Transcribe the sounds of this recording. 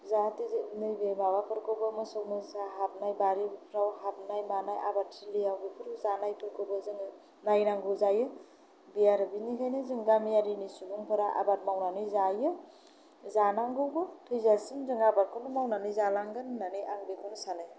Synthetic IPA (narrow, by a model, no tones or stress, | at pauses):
zatinɯjbemawapʰɯɾkɯwbɯmɯsɔkmɯsaɦap̚najbaɾibpʰɾawhap̚najmanajʔa̰batsilijawɡɯpʰɯɾzanajpʰɯɾkʰɯbɯzɯŋ | najnaŋɡɯzajɯ | bijaɾɯbinikʰajnɯzɯŋɡamijaɾinisubɯŋpʰɯɾaʔa̰bat̚mawnanɯjzajɯ | zanaŋɡɯwbɯtʰɯjzasiŋzɯŋabat̚kʰonɯmawnanɯjzalaŋɡɯnːanɯjʔaŋɾikʰɔnsanɯj